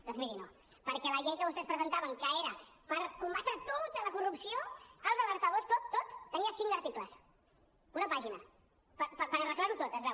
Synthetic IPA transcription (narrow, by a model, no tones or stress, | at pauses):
d̪oɔnzmiɾino | pəɾkɛləʎejkəβust̪ɛspɾəzənt̪aβəŋkəeɾəpəɾkumbat̪ɾət̪ot̪ələkurupsioəlˠzðələɾt̪əðost̪ot̪ːot̪ːəniəsiŋd̪əɾt̪ikləs | unəpaʒinə | pəpəpəɾərəklaɾut̪ot̪əzβɛ